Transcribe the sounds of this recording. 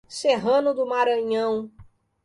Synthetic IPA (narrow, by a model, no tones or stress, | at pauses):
seɦɐ̃nʊd̪ʊmaɾɐ̃ɲɐ̃w̃